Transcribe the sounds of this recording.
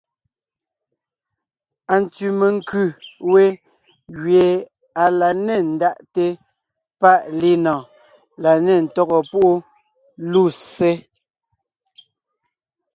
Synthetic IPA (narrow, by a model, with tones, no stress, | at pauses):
a˨n̩˨tʉ˨me˨ŋ̩˦kʉ˦˨we˦ | ɣɥe˨ | a˨la˨ne˦˨n̩˨da˦ʔte˦ | pa˦˨ʔli˦nɔ̃˨ | la˨ne˦˨n̩˨tɔ˦ɣɔ˨pu˦ʔo˦ | lu˦˨se˦